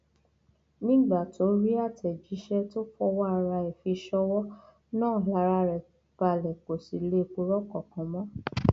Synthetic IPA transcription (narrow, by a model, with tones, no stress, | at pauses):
nĩ˦ɡ͡ba˦˨to˨˦ɾi˦a˦˨tɛ˨d͡ʒi˨˦ʃɛ˦to˦fɔ˦wa˦a˨ɾa˧e˨fi˧ʃɔ˧wɔ˦ | nãː˦˨la˨˦ɾa˧ɾɛ˨ | b̥a˨lɛ˨k͡po˨si˨le˦˨k͡po˧ɾɔ˦kɔ˦˨kã˨mɔ̃˦